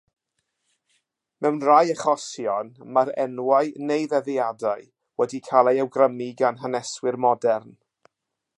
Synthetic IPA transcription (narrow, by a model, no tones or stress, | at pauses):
mɛwnrajəχɔsjɔnmaɾɛnwaɨnejðɛðiadaɨ | wɛdikʰalˠajɛwɡrəmiɡanɦənɛswɪrmɔdɛrn